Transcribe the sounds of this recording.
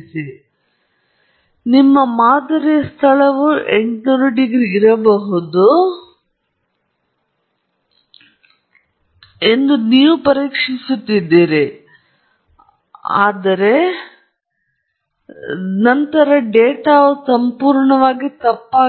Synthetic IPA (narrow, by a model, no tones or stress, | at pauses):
si | nimːɐmaːd̪ɐɾiɐst̪ʰɐɭɐʋuʔeɳʈnuːɾuɖiɡɾiːɾɐbɐɦud̪u | e̞nd̪uniːʋupɐɾiːkʂisut̪ːid̪ːiːɾi | a̰ːd̪ɐɾe̞ | nɐnt̪ɐɾɐɖeːʈaːʋusɐmpuːɾɳɐʋaːɡit̪ɐpːaː